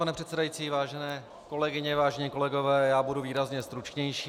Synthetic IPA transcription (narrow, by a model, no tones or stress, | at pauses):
panɛpr̝̥ɛt̪sɛdajit͡siːvaːʒɛnɛː | ko̞lɛɡɪɲɛvaːʒɛɲiːko̞lɛɡovɛːjaːbuduviːɾazɲɛst̪ɾut͡ʃɲɛjʃiː